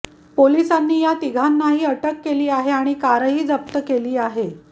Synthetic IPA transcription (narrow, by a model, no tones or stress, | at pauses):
poliːsanːiːjat̪iɡʱanːaɦiːəʈəkːeliːaɦeaɽ̃ikaɾəɦiːd͡zəp̚t̪əkeliːaɦe